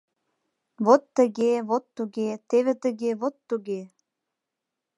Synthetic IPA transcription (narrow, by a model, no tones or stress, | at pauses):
βot̪ːə̆ɣeβot̪ːuɣet̪eβet̪ə̆ɣeβot̪ːuɣe